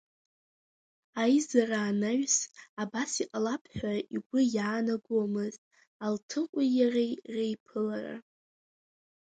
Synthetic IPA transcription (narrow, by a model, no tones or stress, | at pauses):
ajzaraːnaɥsabasiqʼalapʰħʷᶣaiɡʷʊjaːnaɡʷomɨztʼ | altʰɨqʷʼijarejrejpʰɨlara̰